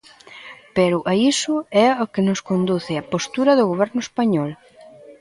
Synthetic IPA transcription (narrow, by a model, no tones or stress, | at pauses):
pɛɾʊʔaisʊɛokenʊskond̪uθɪɐpost̪uɾɐðʊɣoβ̞ɛɾnʊespaɲɔl